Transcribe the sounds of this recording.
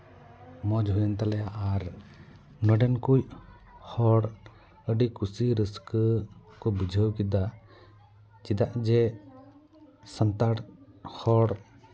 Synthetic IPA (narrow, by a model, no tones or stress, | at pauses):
mɔd͡ʒɦujənt̪alɛjaʔaɾ | nɔɖɛnkuj | hɔɽ | əɖikusiɾəskkɔbid͡ʒʱəwkid̪a | t͡ʃid̪aʔd͡ʒɛ | sənt̪aɽhɔɽ